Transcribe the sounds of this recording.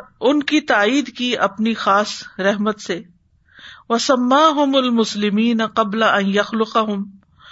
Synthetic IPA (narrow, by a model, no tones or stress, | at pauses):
ʊnkit̪aːiːd̪kiɐpnixaːsɾɛɦmət̪se | wɐsɐmːaːɦʊmɐlmʊslɪmiːnɐqɐblaʔɐ̃njɐxlʊqɑɦʊm